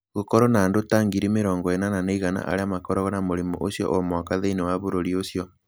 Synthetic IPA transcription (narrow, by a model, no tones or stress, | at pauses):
ɣokɔɾɔnaːndotaŋɡiɾimeɾɔːŋɡɔenananeiɣana̰ʔa̰ɾeamakɔɾɔɣɔnamoɾemoʔosjɔ̰ʔomɔkaðeinewaβoɾoɾiosjɔ